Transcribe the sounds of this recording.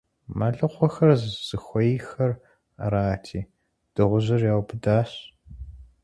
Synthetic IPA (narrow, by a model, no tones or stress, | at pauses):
maɮɨqʷɔxɐrzz̥ɨxʷɔjixɐr | ɐɾaːtʰiː | d̥ɨʁʷʊʑɨrjaːwpʰɨdaːɕ